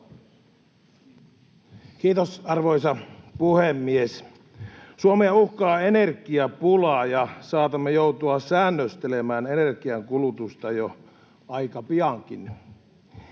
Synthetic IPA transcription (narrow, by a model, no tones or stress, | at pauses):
kiːt̪osɑrʋoisɑpuhemːies | suomeɑuhkɑːenerkiɑpulɑjɑsɑːt̪ɑmːejout̪uɑsæːnːøst̪elemæːnenerkiɑŋkulut̪ust̪ɑjo | ɑikɑpiɑŋkin